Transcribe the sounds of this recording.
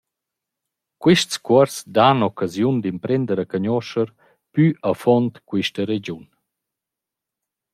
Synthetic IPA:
kwiʃtskwɔɾsd̪anɔkazjund̪impɾɛnd̪əɾakaɲɔʃəɾ | pyʔafɔnt̪kwiʃtəɾed͡ʑun

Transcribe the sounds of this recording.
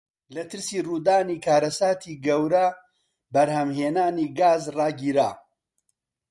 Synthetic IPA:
lɐt̪ɨɾsiːruːd̪aːniːkʰaːɾɐsaːt̪ʰiːɡɐwɾɐ | bɐɾhɐmheːnaːniːɡaːzrɑːɡiːɾa̰ː

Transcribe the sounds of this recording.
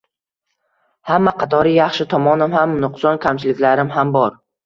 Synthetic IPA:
hamːaqʰɑt̪ʰɒɾɪjɑχʃɪt̪ʰɒmɒnɪmhamnʊqsɒnkʲʰamt͡ʃʰɪlɪkʲlaɾɪmhambɒɾ

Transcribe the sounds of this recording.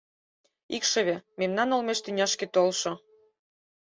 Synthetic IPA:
ikʃɤ̆βememnɑnolmeʃt̪ynʲɑʃket̪olʃŏ

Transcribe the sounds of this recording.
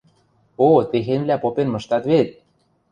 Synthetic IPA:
ot̪exenβlæpopenmɤ̆ʃt̪ɑt̪βet̪̚

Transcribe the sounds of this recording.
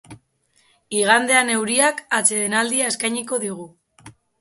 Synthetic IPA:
iɣand̪e̞ane̞wɾiakat͡se̞ðenald̪iaeskajɲiko̞ðiɣu

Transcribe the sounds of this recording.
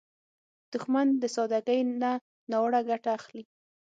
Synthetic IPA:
d̪̥ʊxmand̪əsɑd̪aɡəjna | nɑwɽaɡaʈaːxli

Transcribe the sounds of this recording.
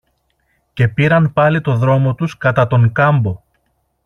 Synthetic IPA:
ce̞piɾɐnpɐlit̪o̞ðɾo̞mo̞t̪uskɐt̪ɐt̪o̞ŋkɐmbo̞

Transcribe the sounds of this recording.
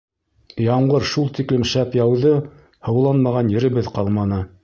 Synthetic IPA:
jɑɴɢɤɾʃulˠt̪iklɘmʃæpjɑwðɤ | hɤ̆wlˠɑnmɑʁɑnjɘ̆ɾɘ̆βɘðqɑlˠmɑnɤ

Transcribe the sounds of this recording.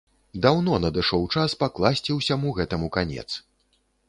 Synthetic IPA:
d̪awnɔnɐd̪ɨʂɔwt͡ʂaspaklˠasʲt͡sʲiwsʲamuɣɛt̪ɐmukanʲɛ̰t̪s

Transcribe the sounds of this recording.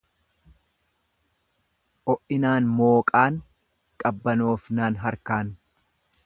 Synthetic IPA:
ʔɔʔɪnaːnmo̞ːkʼaːn | kʼɐbːɐnoːfnanɦɐɾkaːn

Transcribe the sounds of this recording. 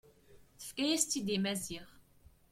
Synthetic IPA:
θə̥fkæjæst̪ːid̪imæziʁ

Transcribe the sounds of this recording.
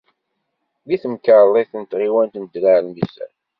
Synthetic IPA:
ðiθəmkəɾlˤːiθənt̪ʁiwænt̪nəd̪laʕlmisæ̰n

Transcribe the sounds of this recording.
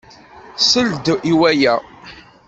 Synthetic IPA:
səld̪ʔiwæjæ

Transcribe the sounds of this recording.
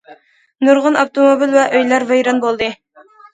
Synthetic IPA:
nuɾʁənɑft̪ʰomobilvɛʔøjlæɾvejɾɑnbolˠd̪ɨ

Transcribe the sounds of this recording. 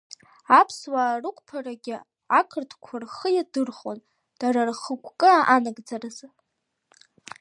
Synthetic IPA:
apʰswaːrɨkʷʼpʰaraɡʲɪ | akʰɨrtʰkʷʰarχəjadɨrχo̰n | d̥aɾarχəkʷʰʼkʼɨaʔanaɡd͡zaraz

